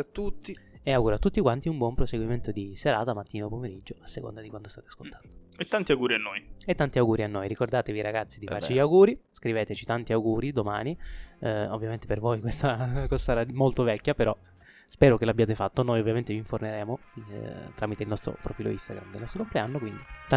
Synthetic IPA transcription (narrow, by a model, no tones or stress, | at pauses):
t̪ːut̪ːieawɡuːɾoat̪ːut̪ːikwant̪iumbwɔmpɾoseɡwiment̪od̪iseɾaːt̪amat̪ːiːnaopomeɾid͡ʒːoasːeko̰nd̪ad̪ikwand̪ost̪aːt̪eḁskolt̪ʰḁnd̪oet̪ːant̪iawɡuːɾianːojet̪ːant̪iawɡuːɾianːojɾikord̪aːt̪eviɾaɡat̪sːid̪ifaɾrt͡ʃiʎawɡuːɾiskɾivɛːt̪et͡ʃit̪ant̪iawɡuːɾid̪omaːni | ovːjament̪epervojkwest̪akɔzasaɾamolt̪ovɛkːjapeɾɔ | spɛːɾokelabjaːt̪efat̪ːonojovːjament̪eviɱforneɾɛːmo | t̪ɾamit̪eilnɔst̪ɾo̰pɾofiːlo̰ḭst̪aɡɾamd̪elnɔst̪ɾokompleanːokwind̪i